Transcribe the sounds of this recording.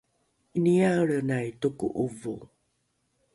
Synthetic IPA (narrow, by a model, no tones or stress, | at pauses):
iniaəɭənajtukṵʔuvo